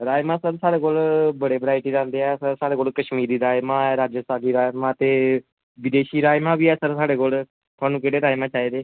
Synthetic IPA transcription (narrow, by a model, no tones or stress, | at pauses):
ɾaːjmãːsəɾsaːɽeːkoːlbəɽeːbəɾaːɪʈiːd͡ʒãːnd̪eːɛːsəɾsaːɽeːkoːlkəʃmiːɾiːɾaːɪmãːɾaːd͡ʒəsaːɡiːɾaːjmãːt̪eː | ʋɪd̪eːʃiːɾaːɪmãːbiːɛːsəɾsaːɽeːkoːl | t̪ʰʊaːnũːkeːɽeːɾaːɪmãːt͡ʃaːiːd̪eː